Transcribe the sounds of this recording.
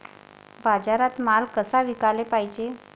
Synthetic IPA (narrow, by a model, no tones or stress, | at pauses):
bad͡zaɾat̪malkəsaʋikalepaɦid͡ʑe